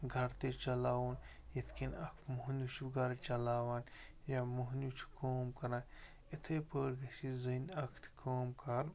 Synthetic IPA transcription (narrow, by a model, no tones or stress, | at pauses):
ɡʱɐɾt̪et͡ʃɐlaːwuːn | jit̪ʰkinɐkʰmuɦnut͡ʃʰiɡɐɾt͡ʃɐlaːwaːn | jamuɦnut͡ʃʰi̥koːmkɐɾaːn | it̪ʰeːpəːɽɡɐsizɨnɐkʰt̪ʰkoːmkɐɾ